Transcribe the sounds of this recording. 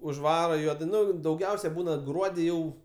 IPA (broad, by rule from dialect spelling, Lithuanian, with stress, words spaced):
ʊʒˈʋɑːrɐ ˈjuɔdɐɪ ˈnʊ dɐʊˈɡʲɛʊsʲɛɪ ˈbuːnɐ ˈɡruɔdʲɪ ˈjɛʊ